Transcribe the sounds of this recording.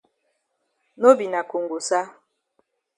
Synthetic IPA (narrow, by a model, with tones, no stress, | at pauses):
no˦bi˨na˨ko˨ŋɡo˨sa˦